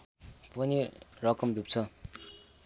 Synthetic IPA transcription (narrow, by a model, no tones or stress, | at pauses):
pʌnirʌkʌmdup̚t͡sʰʌ